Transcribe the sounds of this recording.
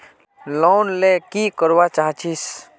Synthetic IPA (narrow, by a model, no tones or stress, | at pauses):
lonlekikəɾbat͡ʃaɦt͡ʃis